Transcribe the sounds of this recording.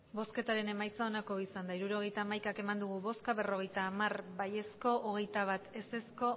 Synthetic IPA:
bo̞ske̞t̪aɾe̞ne̞majt͡saonako̞isand̪aiɾuɾo̞ɣ̞e̞jt̪aːmajkake̞mand̪uɣ̞uβo̞skaβe̞ro̞ɣe̞jt̪aːmarbaje̞sko̞ʔːɣ̞e̞jt̪aβ̞at̪e̞se̞sko̞

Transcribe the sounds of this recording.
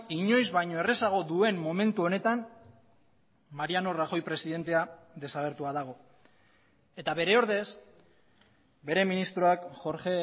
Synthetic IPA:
iɲo̞jzβajɲo̞ere̞saɣ̞o̞ðue̞mːo̞mẽ̞nt̪uo̞ne̞t̪an | maɾiano̞raxo̞jpɾe̞siðe̞nt̪e̞a | ðe̞saɣ̞e̞ɾt̪uaðaɣ̞o̞ | e̞t̪aβe̞ɾe̞oɾðe̞s | be̞ɾe̞minist̪ɾoakʝo̞ɾʝe

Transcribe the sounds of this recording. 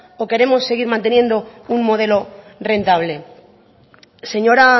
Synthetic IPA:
oke̞ɾe̞mo̞sːe̞ɣ̞iɾmãnt̪e̞nje̞nd̪ouŋmo̞ð̞e̞lo̞re̞nt̪aβle̞ | se̞ɲo̞ɾa

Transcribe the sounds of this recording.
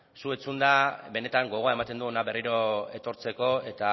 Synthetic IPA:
sue̞t͡sund̪abe̞ne̞t̪aŋɡo̞ɣ̞o̞ae̞mat̪e̞nd̪uonaβe̞riɾo̞e̞t̪o̞ɾt͡se̞ko̞e̞t̪a

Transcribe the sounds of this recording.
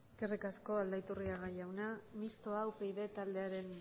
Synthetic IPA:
skerikasko̞ald̪ait̪uriaɣajawnamist̪o̞awpe̞jðe̞t̪ald̪e̞aɾe̞n

